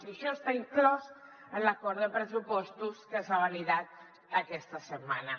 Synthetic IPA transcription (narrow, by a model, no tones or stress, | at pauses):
siʃɔəst̪aiŋklɔz | ənlakɔɾðəpɾəzupɔst̪uskənsaβaliðat̪̚ | əkɛst̪əsəmːanə